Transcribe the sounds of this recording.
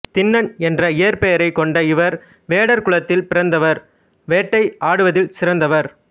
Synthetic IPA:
t̪ɪnːɐnɛndrɐeːɾpejɐɾɐɪkːɔɳɖɐɪʋɐɾ | ʋeːɽɐɾkʊɭɐt̪ːɪlpɪɾɐnd̪ɐʋɐɾ | ʋeːʈːɐɪaːɽɯʋɐðɪlsɪɾɐnd̪ɐʋɐɾ

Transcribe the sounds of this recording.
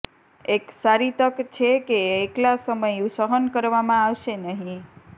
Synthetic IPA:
eksaɾit̪əkt͡ʃʰekeːklasəməjũsəɦənkəɾʋamãaʋʃenəɦĩ

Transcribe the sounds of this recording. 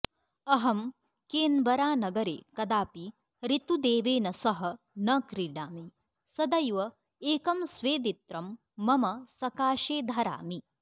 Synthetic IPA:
ɐɦɐm | keːnbɐɾaːnɐɡɐɾḛːkɐd̪aːpi | ɾit̪ud̪eːʋeːnɐsɐɦɐ̆ | nɐkɾiːɖaːmi | sɐd̪ɐjʋɐ | eːkɐmsʋeːd̪it̪ɾɐmː | ɐmɐsɐkaːʃeːd̪ʱɐɾa̰ːmi

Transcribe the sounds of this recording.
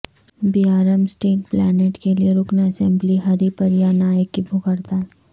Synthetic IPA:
biːaːɾemsʈeːʈplɛːneːʈkelieɾʊknaɐsɛ̃mbliɦɐɾipɐɾjaːnaːjəkːibʱʊkəɾt̪aɦɛ

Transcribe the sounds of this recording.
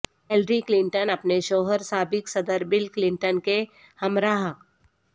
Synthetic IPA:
ɦɪlɾiklɪ̃ɳʈənɐpneʃoːɦəɾsaːbɪksɐd̪əɾbɪlklɪ̃ɳʈənke | hɐmɾaːɦa

